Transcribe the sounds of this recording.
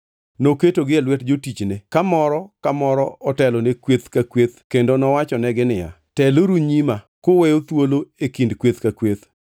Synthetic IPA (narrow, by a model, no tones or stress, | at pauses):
noketoɡɪɛlwɛtd͡ʒotit͡ʃnekamɔɾɔkamɔɾɔɔtɛlonekwet̪kakwet̪kendonɔwat͡ʃɔnɛɡɪnɪja̰ | tɛloɾuɲima | kowɛjot̪woloekindkwet̪kakwet̪